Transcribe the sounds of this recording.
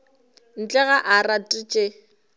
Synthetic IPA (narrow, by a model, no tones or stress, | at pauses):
n̩t͡ɬʼɛɣaʔaratʼit͡ʃʼe